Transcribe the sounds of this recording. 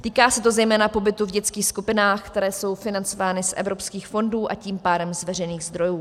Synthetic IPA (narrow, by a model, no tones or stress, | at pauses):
t̪iːkaːsɛt̪o̞zɛjmɛːnapo̞bɪt̪uvɟɛt͡skiːxskupɪnaːxkt̪ɛɾɛːso̞wfɪnant͡so̞vaːnɪsʔɛ̰vɾo̞pskiːxfo̞nduːʔa̰ciːmpaːdɛmzvɛr̝ɛjniːɣzd̪ɾo̞juː